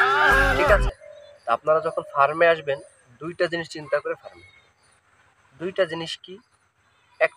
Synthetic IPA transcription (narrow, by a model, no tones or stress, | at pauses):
ʈʰikat͡ɕʰet̪apnaɾad͡ʑɔkʰonfaɾmeaʃben | d̪ujʈad͡ʑiniʃt͡ɕint̪akoɾefaɾme | d̪ujʈad͡ʑiniʃki | ɛk̚